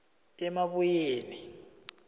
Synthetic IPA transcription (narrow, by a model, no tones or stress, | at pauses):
tʼɛmaβujeːni